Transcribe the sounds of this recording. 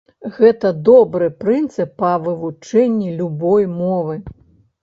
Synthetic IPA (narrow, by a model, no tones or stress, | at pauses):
ɣɛt̪ɐd̪ɔbɾɨpɾɨnt̪sɨpːɐvɨvut͡ʂɛnʲːilʲubɔjmɔvɨ